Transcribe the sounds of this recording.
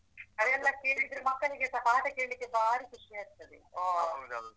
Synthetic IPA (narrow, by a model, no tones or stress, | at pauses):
ɐðɛlːɐkeːɭid̪ɾumɐkːɐliɡesɐɦaːʈɐkeːɭlikːebaːɾikuʂɛjaːɾt̪ːɐd̪eoːɐl